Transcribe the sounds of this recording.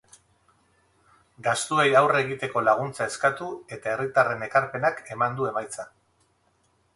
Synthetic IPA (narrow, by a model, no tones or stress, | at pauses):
ɡast̪ue̞jawre̞ɣit̪e̞ko̞laɣ̞unt͡sae̞skat̪ue̞t̪ae̞rit̪are̞ne̞kaɾpe̞nake̞mand̪ue̞majt͡sa